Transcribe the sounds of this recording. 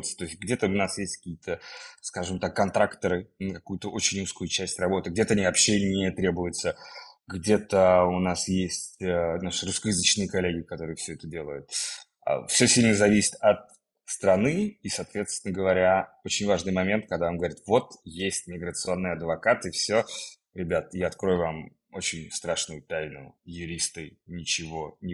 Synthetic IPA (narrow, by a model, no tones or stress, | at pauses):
t̪sə̥t̪o̞ɪsʲt̚ʲɡdʲe̞t̪əʊnasjesʲtʲkɐ̥kʲijət̪ʰəskaʐɨmt̪akːɐnt̪ɾakt̪əɾɨkɐkujʊt̪əʔo̞t͡ɕɪnʲuskʊjʊt͡ɕæsʲtʲrɐbo̞t̪ɨɡ̚dʲet̪əɐnʲivɐpɕːenʲet̪ɾʲe̞bʊjʊt̪səɡdʲe̞t̪əʊnasjesʲtʲənaʂɨrʊskəjɪzɨt͡ɕnɨjəkɐlʲːeɡʲɪkɐt̪o̞ɾɨjəfsʲɵɛt̪ədʲe̞lˠəjʊt̪̚ | fsʲɵsʲilʲnəzɐvʲisʲɪ̥t̪ɐt̪̚ | st̪ɾɐnɨisɐːt̪vʲet̪st̪vʲɪnəɡəvɐɾʲaot͡ɕɪnʲvaʐnɨjmɐmʲe̞nt̪̚kɐɡd̪avamɡəvɐɾʲi̥t̪vo̞t̪jesʲtʲmʲɪɡɾət̪sɨo̞nːɨjɐd̪vɐkat̪ɨfsʲo | ɾʲɪbʲat̪jaɐt̪̚kɾo̞jʊvam | o̞t͡ɕɪnʲst̪ɾaʂnʊjʊt̪ajnʊ̰jʊɾʲist̪ɨnʲɪt͡ɕɪvo̞nʲɪ